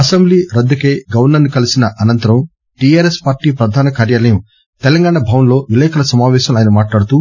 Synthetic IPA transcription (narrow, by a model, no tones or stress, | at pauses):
ɐsembliːɾɐd̪ːukeːɡɐʋɐɾnɐnːikɐlisinɐʔɐnɐnt̪ɐɾɐm | ʈijaːɾespaːɾʈiːpɾɐd̪ʱaːnɐkaːɾjaːlɐjɐm | t̪ɛlɐŋɡaːɳɐbʱɐːʋɐnlo̞ːʋilɛːkʰɐlɐsɐmaːʋɛːʃɐmaːjnɐmaːʈlaːɽut̪uː